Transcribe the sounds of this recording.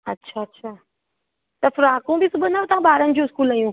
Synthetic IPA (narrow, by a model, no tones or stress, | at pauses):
ɐtːʃʰaɐtːɕʰaː | t̪ɐfʊɾãːkõbʱisʊbənaʋet̪ɐãbaːɾənd͡ʑõɪskuːlajũː